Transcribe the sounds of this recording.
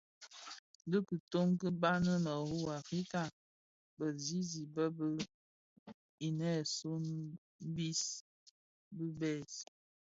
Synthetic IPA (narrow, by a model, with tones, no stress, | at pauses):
də˦kə˨to˦ŋkə˦ba˦nə˦nə˨hu˦a˨fɾi˦ka˨ | bə˨zi˦zi˨bə˦bə˦ | i˨nɛ˦˨so˦n̩˦ | bi˦s | bə˦bɛ˦˨s